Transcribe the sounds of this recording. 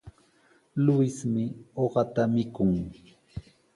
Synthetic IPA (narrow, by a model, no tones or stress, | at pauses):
lʊjsmɪoɢɑt̪amɪkʊŋ